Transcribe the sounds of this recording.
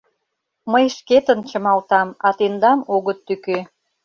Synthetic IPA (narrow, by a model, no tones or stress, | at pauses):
məjʃket̪ənt͡ɕə̆mɑlt̪ɑmɑt̪end̪ɑmoɣət̪ːykø